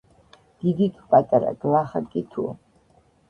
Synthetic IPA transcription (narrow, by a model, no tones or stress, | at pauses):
d̪̥id̪ikʰʼpʼat̪ʼaɾa̰ɡ̥laχakʼit̪ʰu